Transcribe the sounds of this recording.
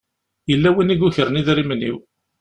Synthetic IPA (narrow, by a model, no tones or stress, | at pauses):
jəlːæwiniɡuçəɾəniðɾimnḭw